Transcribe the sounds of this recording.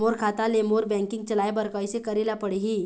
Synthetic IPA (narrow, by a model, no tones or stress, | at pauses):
oɾkʰat̪alemoɾbɛ̃ŋkiŋɡt͡ɕəlajbəɾkajsekəɾelapəɽɦiː